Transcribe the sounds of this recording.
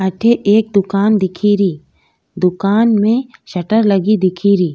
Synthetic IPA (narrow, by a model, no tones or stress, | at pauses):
ɐʈʰeʔeːk̚d̪ʊkaːnd̪ɪkʰiɾiː | d̪ʊkaːnmẽʃɐʈəɾlɐɡid̪ɪkʰiɾiː